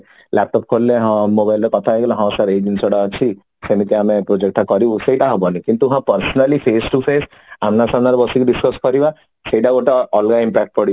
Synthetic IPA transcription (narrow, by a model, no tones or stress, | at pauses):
lɛp̚ʈɔp̚kʰolːeɦɔ̃mobajlɾɔkɔt̪ʰaeɡelɔɦɔ̃saɾed͡ʒensɔɽaɔt͡ʃʰi | senik̪iamepɾod͡ʒek̚ʈakɔɾibusejʈaɦɔbɔnikint̪uɦãpəɾsɔnalipʰesʈupʰes | amnasanaɾɔbɔsikuɖiskɔskɔɾiba | sejʈaɡoʈaɔlɡaimpɛk̚ʈ̚pɔɽi